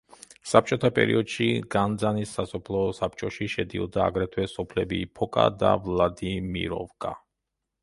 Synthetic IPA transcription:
sap̚t͡ʃʼɔt̪ʰapʼɛ̰ɾḭɔd̪ʃiɡand̪zanisːasɔpʰlˠɔsap̚t͡ʃʼɔʃiʃɛd̪iɔd̪aːɡɾɛt̪ʰwɛsɔpʰlɛbipʰɔkʼa̰d̪a̰vlad̪imḭɾɔ̰vkʼa

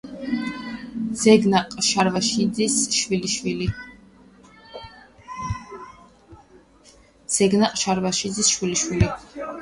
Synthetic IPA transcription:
z̥ɛɡnaqʼʃaɾvaʃiisʃwiliʃwili | z̥ɛɡnaqʼʃaɾvaʃid̪zisʃwiliʃwili

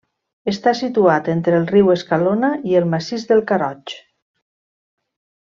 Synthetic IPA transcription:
əst̪asit̪uat̪ent̪ɾəːlˠriwəskalonaiəlˠmasizðəlˠkaɾɔt͡ʃ

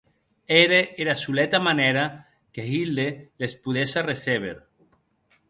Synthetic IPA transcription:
eɾeeɾasulet̪amaneɾa | keɦild̪elespuðesareseβ̞ḛɾ

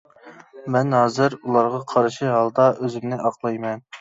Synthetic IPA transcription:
mɛnɦɑːzɪɾulˠɑɾʁɑqʰɑɾɨʃiɦɑlˠd̪ɑʔøzɪmnɪʔɑqlˠɑjmɛn

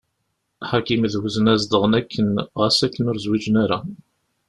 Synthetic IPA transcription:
ħakimðwuzənæzd̪əʁənækʰːənʁæsækːənʊɾzwid͡ʒənaɾa

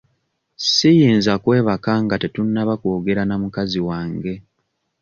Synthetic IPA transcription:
sijiːnzakwe̞ːβakaŋɡatetunːaβakoːɡe̞ɾanamukaziwaːŋɡe̞

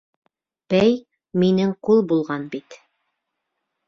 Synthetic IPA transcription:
b̥æj | minɘŋqulˠbulˠʁɑnbit̪

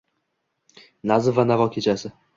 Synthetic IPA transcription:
nazɪvanavɒkʲʰe̞t͡ʃʰasɪ

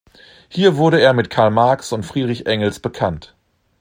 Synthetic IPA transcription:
hiːɐvʊɐɾəeːɐmɪtkʰaɐlmaɐksʊntfʁ̥iːʁɪçʔɛŋl̩sb̥əkʰant

